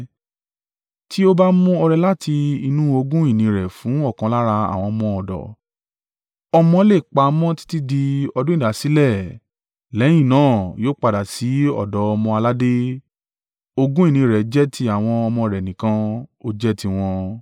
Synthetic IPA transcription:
ti˦o˦ba˦mũ˦ɔ˧ɾɛ˧la˦ti˧i˧nũ˦o˧ɡũ˦i˦˨nĩ˨˦ɾɛ˨fũ˨˦ɔ˦˨kã˨˧la˦ɾa˧a̰˨w̃ɔ̃˧mɔ̃˧ɔ˨dɔ̰˨ | ɔ˧mɔ̃˧le˦˨k͡pa˧mɔ̃˦ti̥˦ti˦di˧ɔ˧dũ˦ĩ˦˨a˨si˨˦lɛ˦˨ | lɛ̃˨˦ĩ˦˨nãː˦˨joː˦k͡pa˧da˨si˨˦ɔ̰˦˨dɔ˨˦ɔ˧mɔ̃˧a˧la˦de˦ | o˧ɡũ˦i˦˨nĩ˧˦˨ɾɛ˨d͡ʒɛ˦tʰi˧˦a˨w̃ɔ̃˧ɔ˧mɔ̃˧ɾɛ˨nĩ˨kã˧o˦d͡ʒɛ˦ti˧w̃ɔ̃˧

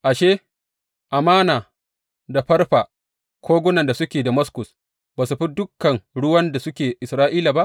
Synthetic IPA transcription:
ʔa˨ʃeː˦ | ʔa˨maː˦naː˨ | da˨ɸɐ˦rɸa˨ | kʷʰoː˦ɡʷʊ˦nɐ˨nda˨sʊ˦kʲeː˨da˨mɐ˦skʊ˨s | baː˨su˨ɸi˦dʊ˦kːɐ˨ŋɽʊ˦wɐ˦nda˨sʊ˦kʲeː˨ʔɪ˨sɾaː˦ʔiː˦la˨ba˦ʔ

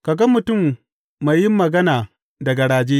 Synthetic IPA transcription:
ka˨ɡɐ˦mʊ˨tʊ˦˨mː | a˨jjɪ˦mːɐ˨ɡɐ˦naː˨ | dɐ˨ɡɐ˨ɽaː˨d͡ʒeː˦

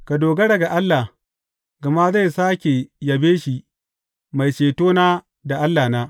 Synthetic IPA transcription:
ka˨doː˨ɡɐ˦ɽɐ˨ɡa˨ʔa˦lːa˨ | ɡa˨ma˦za˦˨jsaː˦kʲe˨jɐ˨beː˦ʃi˦ | ma˨jt͡ʃeː˨toː˦naː˦ | da˨ʔa˦lːaː˨naː˦

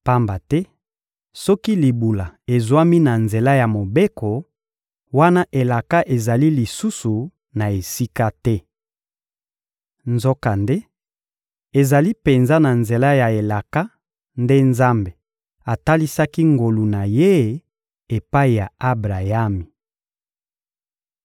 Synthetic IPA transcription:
pa˦mba˨tɛ˦ | sɔ˦ki˦li˨bu˨la˨e˨zwa˦mi˦na˨nze˨la˦ja˨mo˨be˦ko˨ | wa˦na˦ʔe˨la˨ka˦ʔe˨za˨li˦li˨su˦su˨ | na˨e˨si˦ka˦tɛ˦ | nzo˦ka˨nde˦ | e˨za˨li˦pe˨nza˦na˨nze˨la˦ja˨e˨la˨ka˦ | nde˦nza˦mbe˨ | a˨ta˦li˦sa˦ki˦ŋɡo˨lu˨na˨je˦ | e˨pa˦i˨ja˨a˦bʁa˨ja˦mi˨

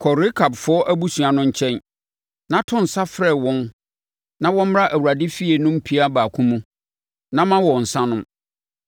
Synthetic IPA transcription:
kʰɔ˨ɾɪ˦kʰa˨bfʊ˦ɔ˦ʔæ˦bu˦su˨a˨nʊ̃˦ɲ̩˦t͡ɕʰɛ̃˦n | nã˦tʰʊ̃˦n̩˨sa˦fɾɛ˨wɔ̃˦n | nã˦wɔ̃˦m̩˦m˦ɾa˦ʔæ˨wu˨ɾa˨dɪ˦fi˦e˨nʊ̃˦m̩˦pʰi˦a˦baː˨kʰũ˦mũ˦ | nã˦mã˦wɔ˨n̩˨sã˦nʊ̃˦m

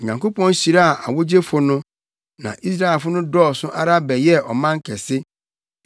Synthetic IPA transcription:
ɲã˨ŋko˦pʰɔ̃˦n˦ɕi˨ɾa˦a˨ʔa̰˨wo˦d͡ʑe˦fʊ˦nʊ̃˦ | nã̰˨ʔi˦s̬ɾa˦ɛ˨lfʊ˦nʊ̃˦dɔː˦˨sʊ̃˦ʔa˦ɾa˦bɛ˨jɛ˦ɔ˨mã˦ŋ̩˦kʰɛ˨sɪ˦

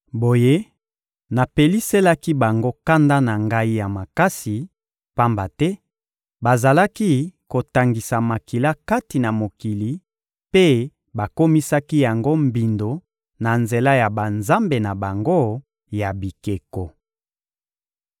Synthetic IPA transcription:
bo˨je˦ | na˨pe˨li˦se˦la˦ki˦ba˨ŋɡo˦ka˦nda˦na˨ŋɡa˦i˦ja˨ma˨ka˦si˨ | pa˦mba˨tɛ˦ | ba˨za˨la˦ki˦ko˨ta˨ŋɡi˨sa˨ma˨ki˨la˦ka˦ti˨na˨mo˨ki˨li˨ | pe˦ | ba˨ko˦mi˦sa˦ki˦ja˨ŋɡo˦mbi˨ndo˨ | na˨nze˨la˦ja˨ba˨nza˦mbe˨na˨ba˨ŋɡo˦ | ja˨bi˨ke˨ko˨

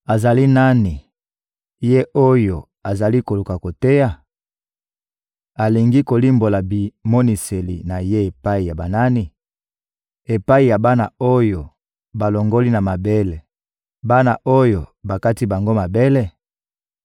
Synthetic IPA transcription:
a˨za˨li˦na˦ni˨ | je˦ʔo˦jo˨ | a˨za˨li˦ko˨lu˨ka˨ko˨te˦ja˦ | a˨li˨ŋɡi˦ko˨li˦mbo˨la˨bi˨mo˦ni˨se˨lḭ˨na˨je˦e˨pa˦i˨ja˨ba˨na˦ni˨ | e˨pa˦i˨ja˨ba˦na̰˨o˦jo˨ | ba˨lo˨ŋɡo˦li˦na˨ma˨be˦le˨ | ba˦na̰˨ʔo˦jo˨ba˨ka˦ti˦ba˨ŋɡo˦ma˨be˦le˦˨

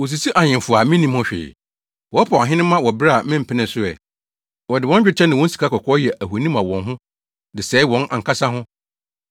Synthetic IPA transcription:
wɔ˨s̬i˨si˦ʔa˨ɲɪ̃˨fʊ˨a˨mĩ˦nĩ˦mʊ̃˦ɕᶣɪ̰˨ | wɔ˦pʰa˨a˨ɦɪ̃˦nɪ̃˦mã˦wɔ˨bɪ˦ɾa˦a˨mɪ̃˦m̩˨pʰɪ˦nɪ̃˨sʊ˦ɛ̰˨ | wɔ˨dɪ˨wɔ̃˦nt͡ɕᶣɪ˦t͡ɕʰɛ˦nɪ̃˨wɔ̃˦n̩˦si̥˨kʰa˦kʰɔ˨kʰɔ˦jɛ˨ʔæ˨hu˨a˨nĩ˦mã˨wɔ̃˨nɦʊ̃˦ | dɪ˨sɛː˨˦ɪ˦wɔ̃˨˦na̰˨ŋ˨kʰa˦sa˦ɦʊ̃˦

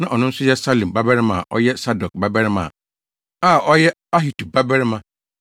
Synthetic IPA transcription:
nã˨ʔɔ˨nʊ̃˦n̩˦sʊ˦jɛ˦sa˦lĩ˨m˨ba˦bɛ˦ɾɪ˦mã̰˨ʔɔ̰˦jɛ˦sa˦dɔ˨k̚ba˦bɛ˦ɾɪ˦mã̰˨ | a˦˨ʔɔ˦jɛ˦ | a˦ɦi˨tʰu˨ba˦bɛ˦ɾɪ˦mã˦

